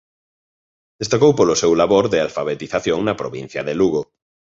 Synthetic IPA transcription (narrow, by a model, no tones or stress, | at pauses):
d̪̥est̪akowpolosewlaβoɾðɪalfaβet̪iθaθjoŋnɐpɾoβĩn̟θjɐðeluɣo